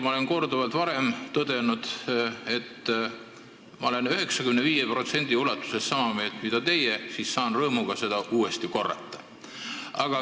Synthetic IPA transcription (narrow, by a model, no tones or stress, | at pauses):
mɑolenko̞rd̪uvɑlt̪vɑɾe̞mt̪ɤd̪e̞nud̪̥e̞t̪ː | mɑole̞nyɦe̞ksɑkymneviːjepro̞t̪se̞nʲd̪̥ʲiulɑt̪ːˑu̥se̞ssɑmɑme̞ːlt̪mid̪ɑt̪e̞jesiːssɑːnrɤːmuɡ̥ɑse̞d̪̥ɑʔuːe̞st̪iko̞rːɑ̰t̪ːˑɑ̥ | ɑɡ̥ɑ